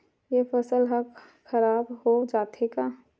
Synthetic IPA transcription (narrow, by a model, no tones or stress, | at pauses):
jepʰəsəlɦək | xəɾaːbɦod͡ʒaːt̪ʰeka